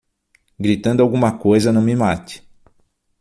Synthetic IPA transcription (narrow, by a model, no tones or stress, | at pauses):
ɡɾit̪ɐ̃nd̪ʊawɡũmɐkojzɐnɐ̃w̃mɪmat̪ɪ̥